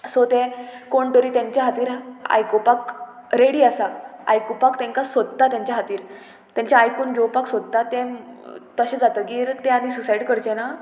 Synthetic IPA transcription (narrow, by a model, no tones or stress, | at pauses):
sot̪ekoɳʈəɾiːt̪jãɲt͡ɕjaɦat̪iːɾa̰jkopakɾeɽiːasaa̰jkopakt̪ɛ̃ŋkasʋəd̪̚t̪ːat̪jãɲt͡ɕjaɦat̪iːɾ | t̪jãɲt͡ɕjaːjkuːnɡʱewpaksʋəd̪̚t̪at̪ẽt̪əɕẽd͡zat̪əɡiːɾt̪ẽanisusajɽkəɾt͡ɕena